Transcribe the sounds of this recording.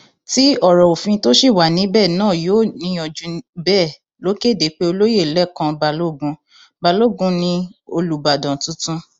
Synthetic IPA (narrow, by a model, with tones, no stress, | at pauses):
ti˦ɔ˦˨ɾɔ˨o˨fĩ˧to˦ʃi˦˨wa˨nĩ˨˦bɛ˦˨nãː˦˨joː˦˨nĩ˧˦ɔ˧d͡ʒũ˨˧bɛ˦˨ | lo˨˦ke˦˨de˨˦k͡pe˦o˧lo˦je˦˨lɛ˦˨kã˧ba˧lo˦˨ɡũ˧ | ba˧lo˦˨ɡũ˧nĩ˧o˧lu˨ba˨dã˨tũ˦tũ˦